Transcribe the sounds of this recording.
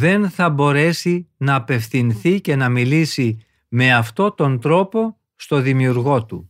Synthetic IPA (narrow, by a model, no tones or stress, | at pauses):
ðe̞nθɐbo̞ɾe̞sinɐːpe̞fθinθice̞nɐmilisi | me̞ɐft̪o̞t̪o̞nt̪ɾo̞po̞ | st̪o̞ðimiuɾɣo̞t̪u